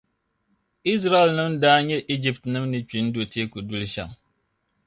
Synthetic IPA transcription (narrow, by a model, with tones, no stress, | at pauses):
i˦s̬ɾa˦ɛ˨lnɨ˦mdaː˦ɲɛ˦ʔi˦d͡ʒi˦ptnɨ˦mnɨ˨t͡ʃi˨˦n̩˦do˨teː˦ku˨du˦lʃa̰˨ŋ